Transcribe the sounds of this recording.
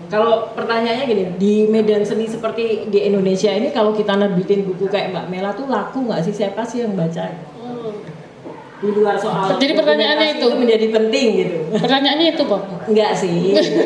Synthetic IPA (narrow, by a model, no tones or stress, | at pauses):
kalopərt̪aɲaaɲaɡinidimedansənisəpərt̪idiindonesiainikalokit̪anar̚bit̪ɪnbukukajaʔ̚mba̰ʔmelat̪ulakuŋɡaʔs̬ɪhsapasijaŋbat͡ʃa | diluarsoald͡ʒadipərt̪aɲaːnɲait̪uuməɲd͡ʒadipənt̪ɪŋɡit̪upərt̪aɲaanɲait̪ubaŋɡaʔsɪ